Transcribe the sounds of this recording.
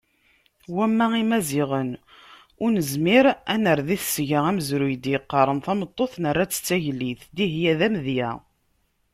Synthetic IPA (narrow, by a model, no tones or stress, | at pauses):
wæmːæimæziʁən | ʊɾnəzmiɾænəɾðiθsʝəʁæməzɾujd̪jəqːɑɾˤənθæmət̪ˤːoθnərːaæt͡sːə̥t͡sːæʝlːiθd̪iɦjæðæmðjæ̰